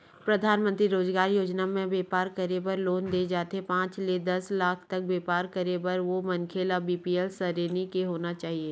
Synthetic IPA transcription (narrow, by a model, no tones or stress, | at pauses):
pɾɐd̪ʱaːnmə̃nt̪ɾiɾoːzɡaːɾjoːd͡ʒnamẽbeːpaːɾkɐɾebɐɾloːnd̪eːd͡ʒaːt̪eɦepãːt͡ʃled̪ɐslaːkʰt̪ɐk̚beːpaːɾkəɾebɐɾʋomɐnkʰeːlabiːpiɛlsəɾeːnikeɦoːnat͡ʃaːɦieː